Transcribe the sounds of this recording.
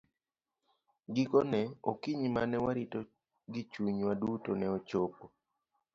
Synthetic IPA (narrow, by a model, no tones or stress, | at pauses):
ɡikonɛo̰kiɲimanɛwaɾito | ɡɪt͡ʃuɲwadutonɛot͡ʃopo